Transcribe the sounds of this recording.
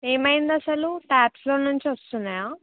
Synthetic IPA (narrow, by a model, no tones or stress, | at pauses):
e̞ːmɐjind̪ɐsɐluʈaːpslo̞ːnuɲt͡ʃiʋɐst̪unːajaː